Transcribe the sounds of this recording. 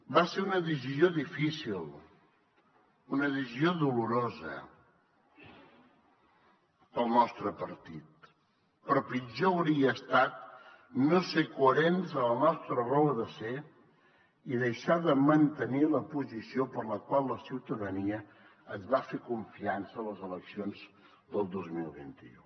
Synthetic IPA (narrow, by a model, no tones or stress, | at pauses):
baseunəðiʒizioðifisilˠ | unəðizzioðuluɾozə̰ | əlˠnɔst̪ɾəpəɾt̪it̪̚ | pɾɔpid͡ʒoəwɾiəːst̪at̪ | nosekuəɾenzələnɔst̪ɾərɔəðəse | iðəjʃaðəmənt̪əniləpuzisiopəɾləkwalˠləsiwt̪əðəniə | əzβafekuɱfiansəːləzələksionz | ðəlˠd̪ozmilˠβḭnt̪ḭu